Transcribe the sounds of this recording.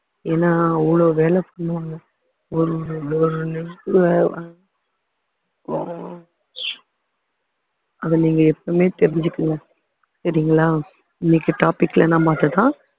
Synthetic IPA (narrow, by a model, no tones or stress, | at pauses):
eːnːaːuːɭoːʋeːlɛpɐɳːɯaŋɐ | ɔɾɯɔɾɯnɛɾkɯ | ɐðɐniːŋɡɐɛpːɐmeːt̪ɛɾɪɲd͡ʒɯkːɯŋɡɐ | sɐɾɪjŋɡɐɭaː | ɪnːɪkːɯʈaːpɪkːɪlɛnːãːmaːt̪ɐt̪ãː